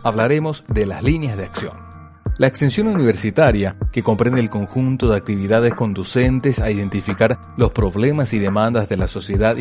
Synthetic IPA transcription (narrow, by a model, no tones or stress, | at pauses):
aβlaɾe̞mo̞zd̪elazlinjazðeaksjo̰n | laekst̪e̞nsjonuniβeɾsit̪aɾjake̞ko̞mpɾe̞nd̪eːlko̞ŋxunt̪o̞ðeak̚t̪iβ̞iðaðesko̞nd̪use̞nt̪esaiðe̞nt̪ifikaɾ | lo̞spɾo̞βle̞masið̞e̞mãnd̪azðe̞laso̞sje̞ðað